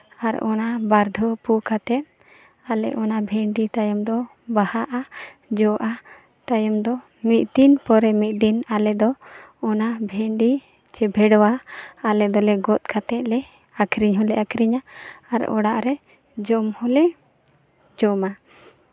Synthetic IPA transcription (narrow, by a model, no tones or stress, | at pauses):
aɾɔ̰nabaɾd̪ʱɔpukat̪ɛt̪̚ | alɛ̰ʔɔnabʱɛɳɖit̪ajɔmd̪ɔ | bahaʔad͡ʒɔʔa | t̪ajɔmd̪ɔ | mit̪̚d̪inpɔɾɛmit̪̚ˀd̪inalɛd̪ɔɔnabʱɛɳɖi | t͡ʃɛbʱɛɽɔwaːlɛd̪ɔlɛɡɔt̪̚kʰat̪ɛt̪̚lɛ | akʰɾiɲɦɔlɛʔakʰɾiɲaːɾɔ̰ɽaʔɾɛ | d͡ʒɔmhɔlɛ | d͡ʒɔma